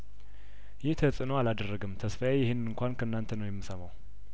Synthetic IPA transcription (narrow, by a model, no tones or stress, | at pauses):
jɪht̪ʰəsʼɨnəwalad̪ərːəɡɨmt̪ʰəsfajajɪhɪnɨɨŋkʷankʰəɨnːant̪ʰənəwjɛmːɨsəmaw